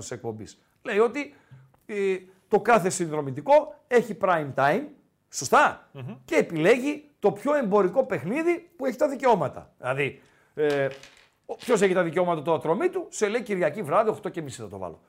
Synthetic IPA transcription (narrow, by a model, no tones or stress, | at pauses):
nst̪ise̞k̚po̞mbḭs | le̞io̞t̪i | t̪o̞kɐθe̞sinðɾo̞mit̪iko̞e̞çipɾɐjmt̪ɐjim | sost̪ɐce̞ːpile̞ʝit̪o̞pço̞e̞mbo̞ɾiko̞pe̞xniðipueçi̥t̪ɐðiceo̞mɐt̪ɐ̰ðilɐði | pço̞s̬e̞çit̪ɐðiceo̞mɐt̪ɐt̪uɐt̪ɾo̞mit̪use̞le̞iciɾʝɐcivɾɐðio̞xt̪o̞ce̞misinɐt̪o̞̰vɐ̰lo̰